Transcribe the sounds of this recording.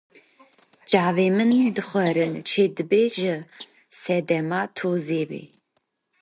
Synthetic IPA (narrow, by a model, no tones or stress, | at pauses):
d͡ʒaːveːmɨnɨmdɨχʷɐɾɨnt͡ʃʰeːdɨbeːʒɐ | sɛdɛmaːtʰoːzeːbḛː